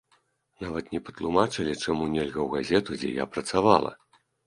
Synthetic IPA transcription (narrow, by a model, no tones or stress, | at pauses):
navɐt̪nʲɛpɐ̥t̪lˠumat͡ʂɨlʲit͡ʂamunʲɛlʲɣɐwɣazʲɛt̪ud͡zʲɛ̰ja̰pɾɐt̪sava̰lˠɐ̰